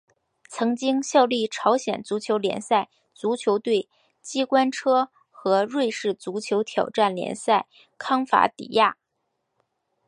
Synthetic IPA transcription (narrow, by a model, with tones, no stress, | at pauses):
t͡sʰɤ˧˥ŋt͡ɕi˥ŋɕjɑ˥˧ʊli˥˩ʈ͡ʂʰɑ˧˥ʊɕjɛ˨˩nt͡su˧˥t͡ɕʰjo˧˥ʊljɛ̰˧˥nsa˥˩ɪ | t͡su˧˥t͡ɕʰjo˧˥ʊt̪we˥˩ɪ | t͡ɕi˥kwa˥nʈ͡ʂʰɤ˥ | xɤ˧˥ɻwe˥˧ɪʂɻ̩˥˩t͡su˧˥t͡ɕʰjo˧˥ʊt̪ʰjɑ˨˩ʊʈ͡ʂa˥˩nljɛ̰˧˥nsa˥˩ɪ | kʰɑ˥ŋfa̰˧˥t̪ḭ˨˩ja̰˥˩